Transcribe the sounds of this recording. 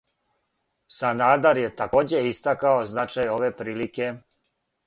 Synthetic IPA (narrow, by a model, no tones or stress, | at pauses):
sanaːd̪aɾje̞t̪akoːd͡ʑe̞ist̪akaoznat͡ʃajo̞ʋe̞pɾiːlike̞